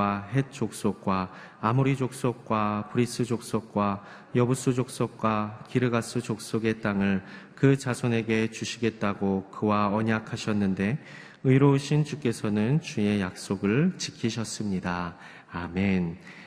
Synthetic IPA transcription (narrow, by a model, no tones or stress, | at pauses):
aɦe̞t̚t͡ɕ͈ok̚s͈ok̚k͈waː | muɾid͡ʑok̚s͈ok̚k͈wapuɾis͈ɯd͡ʑok̚s͈ok̚k͈wa | jʌbus͈ʰud͡ʑok̚s͈ok̚k͈wakiɾɯɡas͈ut͡ɕok̚s͈oɡe̞t͈aŋɯɭ | kɯt͡ɕasʰʌne̞ɡe̞t͡ɕuɕʰiɡe̞t̚t͈aɡokɯwaʌɲakʰaɕʰʌnːɯnde̞ | ɯiɾoɕʰint͡ɕuk͈e̞sʰʌnɯnt͡ɕue̞jak̚s͈oɡɯɭt͡ɕikʰiɕʰʌs͈ɯmɲidaː | men